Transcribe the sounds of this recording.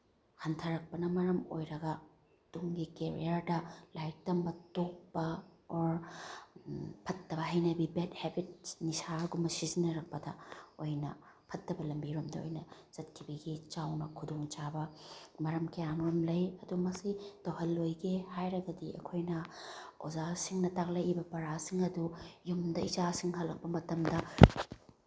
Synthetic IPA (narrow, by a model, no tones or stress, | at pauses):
hɐntʰɐɾɐk̚pɐnɐmɐɾɐmo̰jɾɐɡɐ | d̥uŋɡikeɾḭɐɾdɐlaj̚tɐmbɐtok̚pɐɔɾ | pʰɐtːɐbɐɦɐjnɐbibet̚hebit̚nisaɡumɐsizinɐɾɐk̚pɐdɐojnɐ | pʰɐtːɐbɐlɐmbiɾumdɐ̰o̰jnɐz̥ɐt̚kʰːibiɡit͡ʃawnɐkʰudoŋt͡ʃabɐmɐɾɐmkejaŋɾomlɐjɐdumɐsitowɦɐlːojɡehajɾɐɡɐdiʔɐ̰kʰojnɐo̰zasiŋnɐtaklɐjibɐpɐɾasiŋɐdujumdɐizasiŋɦɐlːɐk̚pɐmɐtɐmdɐ